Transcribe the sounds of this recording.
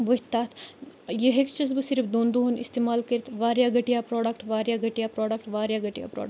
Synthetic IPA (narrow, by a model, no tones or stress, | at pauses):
bəɦʲt̪aːt̪ʰjeɦekt͡ʃizbɨsiɾpd̪oːnd̪uɦunist̪eːmaːlkəɾit̪ʰʋaːɾjaːɡɐʈijaːpɾoːɖɐkʈʋaːɾjaːɡɐʈijaːpɾoːɖɐkʈʋaːɾjaːɡɐʈija̰ːpɾo̰ːɖ